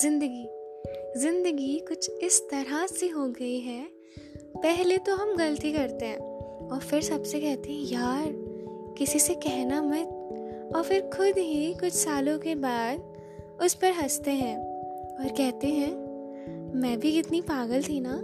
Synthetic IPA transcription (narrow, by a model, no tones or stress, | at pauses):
zɪ̃nd̪əɡiːzɪ̃nd̪əɡikʊt͡ʃʰɪst̪ɐɾaseɦoɡɐiɦɛː | pɛɦlet̪oɦɐmɡɐlət̪ikɐɾt̪eɦɛ̃ːɔːɾfɪɾsɐbsekɛɦt̪eɦɛ̃jaːɾkɪsisekɛɦnamɐt̪̚ɔːɾfɪɾkʰʊd̪ɦikʊt͡ʃʰsaːlõkebaːd̪̚ | ʊspɐɾɦɐst̪eɦɛ̃ːɔːɾkɛɦt̪eɦɛ̃ː | mɛ̃ːbʱiɪt̪nipaːɡəlt̪ʰinaː